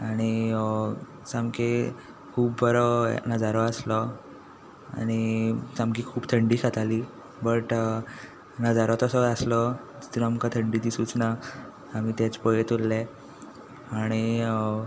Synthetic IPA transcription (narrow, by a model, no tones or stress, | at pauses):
aɽ̃i | samke | kʰuːbbəɾɔ̰nəd͡zaɾɔəslɔ | a̰ɽ̃isamkikʰuːbt̪ʰəɳɖiːsat̪aliː | bəʈ | nəd͡zaɾɔt̪ɔsɔaslɔ | d͡ʑit̪ɾəamkat̪ʰəɳɖiːd̪isuːt͡sna | amiːt̪ɛt͡spəjet̪olːɛ | aɽ̃i